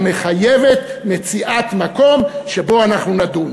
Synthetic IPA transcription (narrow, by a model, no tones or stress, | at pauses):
me̞χajevet̪met͡siʔat̪mako̞mʃebo̞anaχnunad̪un